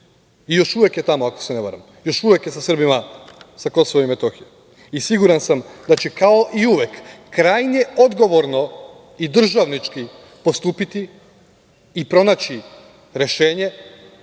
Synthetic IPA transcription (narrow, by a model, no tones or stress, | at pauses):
ijo̞ʃuʋe̞kje̞t̪amoako̞̥seneba̰ɾa̰m | jo̞ʃuʋe̞kjesasr̩bimasako̞so̞ʋoimet̪o̞xije | isiɡuɾansamd̪at͡ɕekao̞ʔiuʋje̞kːɾajɲe̞o̞d̪ɡo̞ʋo̞ɾno̞ | id̪r̩ʒaʋnit͡ʃki | po̞st̪uːpit̪i | pɾo̞nat͡ɕi | ɾe̞ʃe̞ːɲe̞